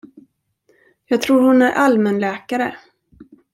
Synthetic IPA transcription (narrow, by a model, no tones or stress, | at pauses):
jɑːɡ̚t̪ʰɾuːɾhʊnæɾʔalmɛnlɛːkaɾə̰